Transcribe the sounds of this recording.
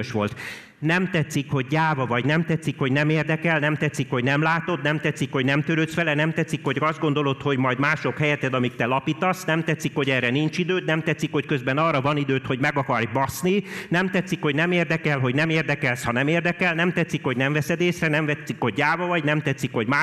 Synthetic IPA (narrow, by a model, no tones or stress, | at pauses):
ʃʋolt̪ | nɛmt̪ɛt̪sːikho̞ɟ̚ːaːvɒvɒɟnɛmt̪ɛt̪sːikho̞ɟnɛmeːrd̪ɛkɛlnɛmt̪ɛt̪sːikho̞ɟnɛmlaːt̪o̞d̪nɛmt̪ɛt̪sːikho̞ɟnɛmt̪øɾøt̪sfɛlɛnɛmt̪ɛt̪sikho̞ɟɒzd̪ɡo̞n̪d̪o̞lo̞t̪ho̞ɟmɒjd̪maːʃo̞khɛjɛt̪ɛd̪ɒmikt̪ɛlɒpit̪ɒsnɛmt̪ɛt̪sːikho̞ɟɛːrɛnint͡ʃid̪øːt̪nɛmt̪ɛt̪sikho̞ckøzbɛnɒːrɒvɒnid̪øːt̪ho̞ɟmɛɡɒkɒrjbɒsninɛmt̪ɛt̪sikhoɟnɛmeːrd̪ɛkɛlɦo̞ɟnɛmeːrd̪ɛkɛlshɒnɛmeːrd̪ɛkɛlnɛmt̪ɛt̪sikho̞ɟnɛɱvɛsɛd̪eːsrɛnɛmvɛt̪sikho̞ɟ̚ːaːvɒvɒɟnɛmt̪ɛt̪sːikho̞ɟmaː